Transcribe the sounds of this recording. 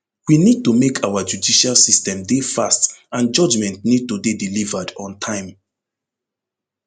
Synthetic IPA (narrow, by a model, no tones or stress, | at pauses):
winid̚tumekʰawad͡ʒudiʃalsistɛ̃mdefastãnd͡ʒɔd͡ʒmɛ̃ntnid̚tubidilivadɔ̃ntʰãɪ̃m